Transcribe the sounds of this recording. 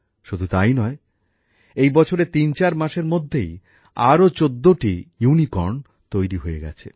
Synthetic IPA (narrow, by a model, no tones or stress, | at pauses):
ʃud̪ʱut̪ajnɔe | ejbɔt͡ɕʰoɾet̪int͡ɕaɾmaʃeɾmod̪ʱːej | aɾot͡ɕod̪ːoʈijunikɔɾɳ | t̪ojɾiɦoḛɡɛ̰t͡ɕʰḛ